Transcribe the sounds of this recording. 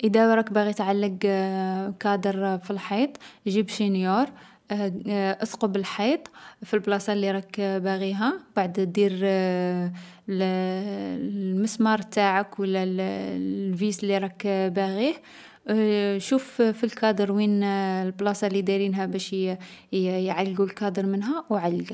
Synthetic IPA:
ʔəd̪æwɾˤɑkbæɣit̪ʕalːəɡ | kɑd̪əɾˤfilħijt̪ˤʒibʃinjuɾ | ʔəsqəbəlħɑt̪ˤfilblɑsˤɑlːiɾˤɑkbæɣiɦæb̥aʕd̪d̪iɾ | məsmɑɾˤt̪aʕəkwəlːælː | vislːiɾˤɑkbæɣih | ʃuffilkɑd̪əɾwinlblɑsɑlːid̪iɾinɦæbæʃ | jʕalːɡulkɑd̪əɾmənɦæwʕalːɡ

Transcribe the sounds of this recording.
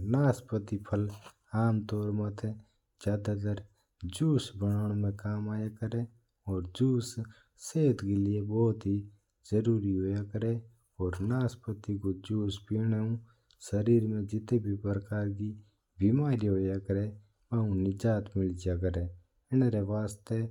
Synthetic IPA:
naːspət̪ipʰəl | aːmt̪ɔːɾmət̪ʰe | d͡ʒjaːd̪ad̪əɾ | d͡ʒuːsbənaːɽ̃mẽkaːmaːjakəɾe | ɔːɾd͡ʒuːs | seːt̪kelɪebɔːt̪ɦi | zəɾuːɾiɦoːjakəɾe | ɔːɾnaːspət̪ikod͡ʒuːspiñeũ | səɾiːɾmẽd͡ʒɪt̪ebʱipɾəkaːɾki | bimaːɾiɦoːjakəɾe | ʋãːũnɪd͡ʒaːt̪mɪld͡ʒijak̬əɾe | ɪnɾeʋaːst̪e

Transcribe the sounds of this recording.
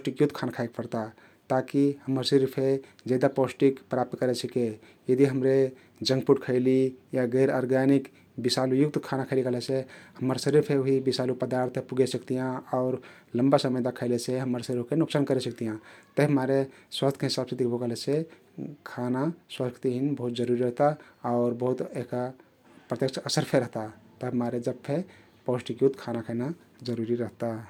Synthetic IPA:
psʈikjut̪kʰanakʰaek̚pəɾt̪a | t̪akihəmːəɾsiɾpʰe | d͡ʒɛd̪aposʈikpɾap̚t̪kəɾet͡ʃʰike | jəd̪iɦəmɾe | d͡ʒə̃ŋɡpuʈkʰəɪlijaɡəɪɾɔɾɡanik | bisalujuk̚t̪kʰanakʰəɪlikəɦlesʰehəmːəɾsəɾiɾpʰeoɦibisalupəd̪aɾt̪ʰpuɡesəkt̪ijãɔʊɾ | ləmbasəməjd̪akʰəɪleseɦəməɾsəɾiɾkenuksankəɾesəkt̪ijãt̪əɦmaɾeswast̪ʰkeɦisabsed̪ikʰbʱokəɦlese | kʰanaswəsɡt̪iɦinbəɦut̪̚d͡ʒəɾuɾiɾəɦt̪aaʊɾbəɦut̪eɦka | pɾət̪jəkt͡ʃəsəɾpʰeɾəɦt̪at̪əɦəmaɾed͡ʒəb̚pʰe | posʈikjut̪kʰanakʰəɪna | d͡ʒəɾuɾiɾəɦt̪a

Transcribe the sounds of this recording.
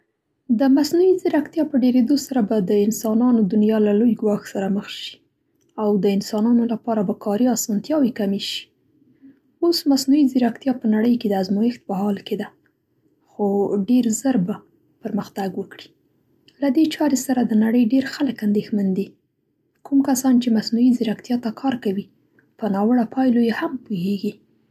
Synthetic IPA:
d̪əmasnuiziɾakt̪jɑpəɖeɾed̪osaɾabad̪əɪnsɑnɑnod̪ʊnjɑlalojɡwɑxsaɾaməxʃi̥ | awd̪əɪnsɑnɑnolapɑɾabakɑɾiɑsɑnt̪jɑwikameʃi̥ | osmasnuiziɾakt̪jɑpənaɽəjked̪əazmujɪxt̪̚pəɦɑlked̪a | xoɖeɾzəɾba | pəɾməxt̪aɡwəkɽi̥ | lad̪et͡ʃɑɾesaɾad̪ənaɽəjɖeɾxaləkand̪exmand̪i | kumkasɑnt͡ʃemasnuiziɾakt̪jɑt̪akʰɑɾkawi | pənɑwəɽapɑjlojehampuheɡi

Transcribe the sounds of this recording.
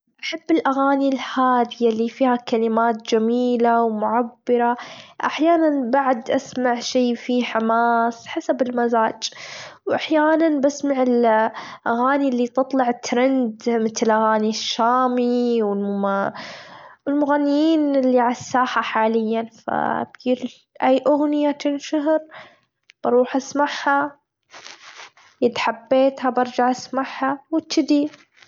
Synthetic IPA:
ʔaħabːɪlʔaɣaːnilhaːd̪ɪjalifiːhakalɪmaːt̪̚d͡ʒamiːlawmʊʕabːɑɾˤaʔaħjaːnanbaʕd̪ʔasmaʕʃeːfiħamaːsħasabɪlmazaːd͡ʒwʔaħjaːnanbasmaʕɪlʔaɣaːnilːit̪ɨt̪ˤlɑʕɪt̪ːɾand̪mɪt̪lʔaɣaːniʃːaːmiwɪl | wɪlmʊɣanːɪjiːnɪlːiʕalasːaːħaħaːlɪjːanfa̰bɡiːɾ | ʔajːʔʊɣnɪjat̪ɪnʃaɦɾ | b̥ɑɾˤuːħʔasmaʕha | jɪd̪ħabːeːt̪habɑɾˤd͡ʒaʕʔasmaʕhawɪt̪ːɪd̪i

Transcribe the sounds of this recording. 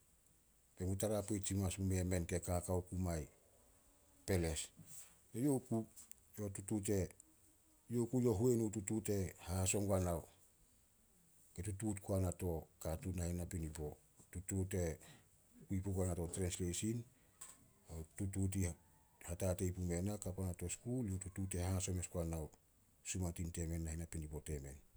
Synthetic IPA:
be̞mutaɾapejtsimasmume̞me̞nke̞kakawkumaj | pe̞le̞s | ejoku | jo̞tutut̬e̞ | jokujo̞ɦuenututute̞hahaso̞ŋɡanaw | ke̞tututkuanato̞katunahenapinibo̞ | tutute̞ | kuipukanatotɾenslesin | atutut̬i | hatate̞jpume̞nakapanato̞skulotutute̞haso̞meskuanaw | sumatinte̞me̞nːahenapinipo̞te̞me̞̰n

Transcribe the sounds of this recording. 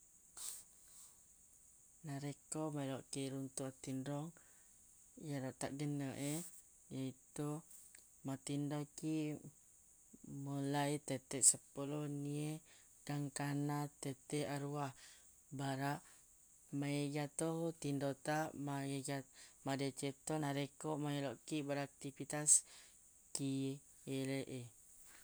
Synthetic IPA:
naɾekɔmalɔʔkiɾunt̪uat̪indɔŋ | jaɾɔʔt̪a̰ʔɡənəʔɛ | jait̪u | mat̪indɔki | molait̪ət̪ɛʔsəpulɔnie | d̥aŋkanat̪ət̪ɛʔaɾuah | baɾaʔ | maeɡat̪ohot̪indot̪aʔmajeɡamadet͡ʃet̪ɔnaɾekoʔmaeloʔkiʔbaɾaak̚t̪ipit̪as | ki | eleʔe

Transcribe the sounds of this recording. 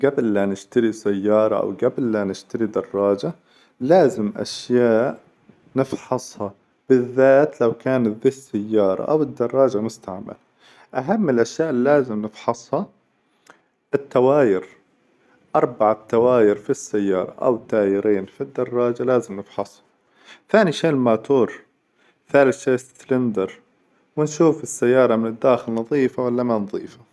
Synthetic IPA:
ɡablːanɪʃt̪aɾisajːɑːɾˤɑ̰ʔa̰wɡablːanɪʃt̪aɾid̪ɑrˤːɑːd͡ʒa | laːzɪmʔa̰ʃjaːʔ | nɪfħɑsˤhɑ | b̥ɪðːaːt̪lawkaːnðiːsːajːɑːɾˤɑ̰ʔa̰wɪd̪ːɑrˤːɑːd͡ʒamʊst̪aʕma̰l | ʔaɦamːɪlʔaʃjaːʔlːaːzɪmnɪfħɑsˤhɑ | ʔɪt̪ːawaːjɪɾ | ʔɑɾˤbaʕat̪ːawaːjɪɾfisːajːɑːɾˤɑ̰ʔa̰wɪt̪ːaːjɪɾiːnfid̪ːɑrˤːɑːd͡ʒalaːzɪmnɪfħɑsˤhɑ̥ | θaːniʃeːlmaːt̪uːɾˤ | θaːlɪθʃeːst̪lɪnd̪ɑɾˤ | wɪnʃuːfɪsːajːɑːɾˤɑmɪnɪd̪ːaːxɪlnɑðˤiːfawalːamanðˤiːfḁ

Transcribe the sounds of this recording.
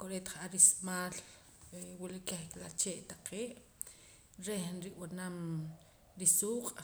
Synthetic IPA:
koɾet̪χʔaɾismaːl | wiliʔkeχklat͡ʃeːʔt̪aqeːʔ | ɾehnɾiʔwanam | ɾisuːqʼ

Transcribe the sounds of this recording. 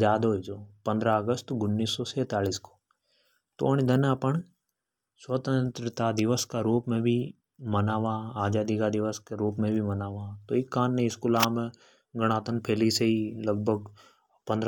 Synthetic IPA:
d͡ʒaːd̪ɦoid͡ʒoːpɐ̃nd̪ɾaəɡəst̪ɡʊnːiːsːoseːt̪aːliːsko̥ | t̪oñid̪ɐnɐpəɳ | swət̪ə̃nt̪ɾɪt̪ad̪ɪʋəskaɾuːpmẽbʱi | mɐnaːʋaːaːd͡ʒaːd̪ikad̪ɪʋəskeɾuːpmẽbʱimɐnaːʋaːt̪oːɪkːãːnːẽɪskulaːmẽ | ɡəɽ̃aːt̪ənpʰeːliseiləɡ̚bʱəɡ̚ | pə̃nd̪ɾ

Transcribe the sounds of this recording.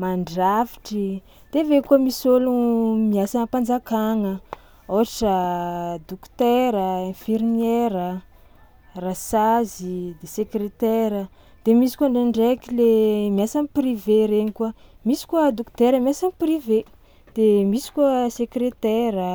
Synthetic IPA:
maɳɖ͡ʐafi̥ʈ͡ʂi | d̪̥evekuamisolumiasəpand͡zakaŋə | oaʈ͡ʂəd̪ukt̪ɛɾəẽfirneɾə | rasazid̪esekret̪ɛɾə | d̪̥emisi̥kuaɳɖ͡ʐeɳɖ͡ʐekilemiasanipriveɾeɲikua | misi̥kuəd̪okt̪eɾəmiasanprive | d̪̥emisi̥kuəsekɾet̪ɛɾə

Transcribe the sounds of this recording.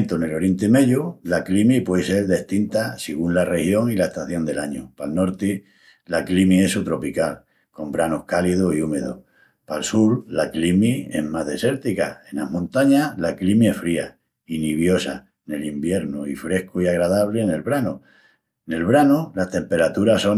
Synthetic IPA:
nt̪one̞lo̞ɾje̞nt̪emeʎulaklimipweðese̞ɾðe̞ht̪int̪asiɣunlare̞hjo̞ŋilaest̪aθjo̞nd̪e̞laɲopalno̞ɾt̪i | laklimie̞sut̪ɾo̞pikal | ko̞mbɾanohkalið̞oiume̞ðo̰ | palsuɾlaklimie̞̰hmaɦðe̞se̞ɾt̪ika̰e̞nahmõnt̪aɲalaklimie̞sfɾia | iniβ̞jo̞sa | ne̞limbje̞ɾnuifɾe̞hkuiaɣɾaðaβle̞ne̞lβɾanu | ne̞lβɾanulast̪e̞mpe̞ɾat̪uɾaso̞

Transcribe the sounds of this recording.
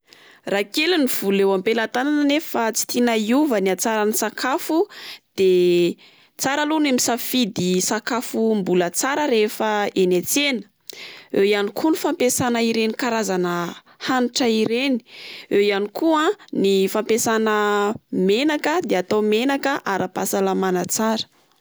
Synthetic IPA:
rakeluniv̥ulewampelat̪ananənefat͡si̥t̪inaiuvəniat͡saɾanisakʰafud̪̥e | t͡saɾalunemisafid̪isakafumbulət͡saɾəɾefəenet͡senə̥ | ewjanikʰunifampesanəiɾenikaɾazanə | hanʈ͡ʂəiɾeni̥ejanikʰuãnifampesanəmenakəd̪eat̪omenakəʔaɾapasalamanət͡saɾə̥

